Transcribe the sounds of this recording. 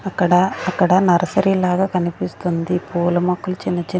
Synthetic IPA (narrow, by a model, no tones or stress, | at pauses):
ɐkːɐɽɐːkːɐɽɐnɐɾɐsɐɾilaːɡaːkɐnipist̪und̪ipuːlɐmɐkːulɐt͡ʃinːɐt͡ʃi